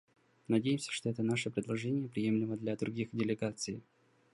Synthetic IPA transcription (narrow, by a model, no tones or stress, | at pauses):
nɐdʲejɪmsʲəʂt̪oɛt̪ənaʂəpɾʲɪd̪lˠɐʐɛnʲɪjəpɾʲɪje̞mlʲɪməd̪lʲad̪ɾʊɡʲixdʲɪlʲɪɡat̪sɨjɪ